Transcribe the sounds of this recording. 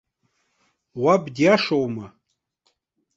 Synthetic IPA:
wabdiaʂowma

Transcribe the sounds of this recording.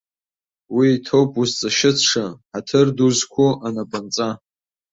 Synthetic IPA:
wiːtʰowpʼuzt͡sʼaʃɪt͡sʰʂaħatʰɨrduzkʷʰoʔanapʼant͡sʼa

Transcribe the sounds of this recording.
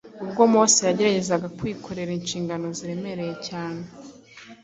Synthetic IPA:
ubɡo̞moːsijaɟe̞ɾaɟe̞zaɡakwiːkʰo̞ɾe̞ɾeinʃiːŋɡano̞ziɾe̞me̞ɾe̞je̞caːne

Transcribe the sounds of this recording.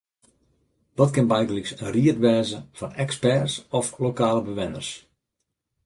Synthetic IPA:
d̥ɔtkɪnbɛjɡənləksənriətʋɛːzəfɔnɛkspɛrsɔflokaːləbəʋɪnə̰rs

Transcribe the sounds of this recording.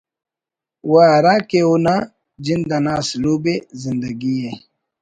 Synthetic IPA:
waːɾakeuna | d͡ʑind̪ɐnasluːbezɪnd̪ɐɡie

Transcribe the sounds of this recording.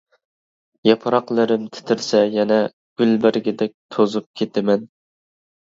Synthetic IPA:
jɑpʰɾɑqlˠɨɾɪmt̪ʰɪ̥t̪ʰɪɾsɛjɛnɛ | ɡ̥ʲylbɪɾɡʲɛd̪ɛk̚ʲt̪ʰozup̚kʲʰet̪ʰɪmɛn

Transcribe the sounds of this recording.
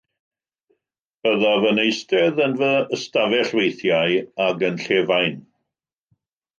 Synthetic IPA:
b̥əðavənejstɛðənvəəstavɛɬwejθjajaɡənɬɛːvajn

